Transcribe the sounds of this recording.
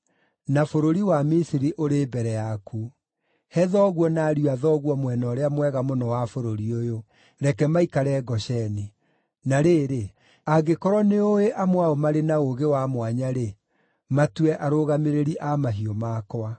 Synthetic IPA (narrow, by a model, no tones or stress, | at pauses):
nafoɾoɾiwamisiɾiʔoɾeːbɛɾɛjakʰu | hɛðɔɣwɔnaːɾjuaðɔɣwɔmwɛnɔɾeamwɛɣamonɔwafoɾoɾiojo | ɾɛkɛmaikaɾɛɡɔʃɛni | naɾeːɾe | aɡekɔɾwɔneoeʔamwaomaɾenaoɣewamwaɲaɾe | matwɛʔaɾoɣameɾeɾiʔamaɦiɔmakɔa